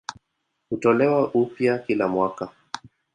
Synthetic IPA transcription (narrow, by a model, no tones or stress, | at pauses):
hutɔlɛwaʔupjakilamwaka